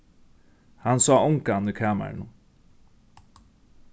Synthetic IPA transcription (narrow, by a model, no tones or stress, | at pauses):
hansɑːʊŋkanikʰaːma̰ɾnʊ